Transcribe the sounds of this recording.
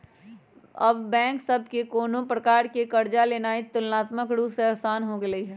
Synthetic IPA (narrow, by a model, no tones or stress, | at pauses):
ɐbbɛ̃ːŋksɐb̚ʱkekoːnõpɾɐkaːɾkekɐɾd͡ʒaleːnaːit̪ʊlnaːt̪məkɽuseɐɦsaːnɦoɡelɐiɦɛː